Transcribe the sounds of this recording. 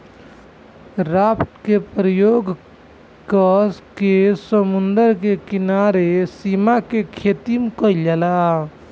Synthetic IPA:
ɾapʈkepɾəjoɡ | kəskesəmund̪əɾkekinaɾesimakekʰet̪imkəid͡ʒala

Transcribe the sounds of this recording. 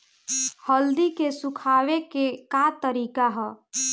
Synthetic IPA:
həld̪ikesukʰaːwekekat̪əɾiːkaɦɛ

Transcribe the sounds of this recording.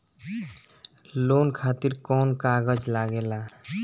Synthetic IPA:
lonkʰat̪iɾkɔnkaɡəd͡ʒlaɡela

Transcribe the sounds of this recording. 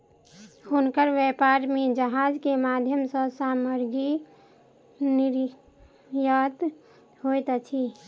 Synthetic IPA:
hunkəɾʋepaɾmed͡ʒəɦad͡ʒkemad̪ʱjəmsə̃saməɾɡi | niɾ | jat̪ | ɦojt̪t͡ʃʰi

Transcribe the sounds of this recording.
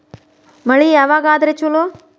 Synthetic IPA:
mɐɭiaʋaɡaːd̪ɾet͡ʃulo

